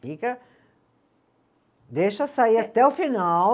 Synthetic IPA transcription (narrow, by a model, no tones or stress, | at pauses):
fikɐ | d̪eʃɐsaiat̪ɛʊfina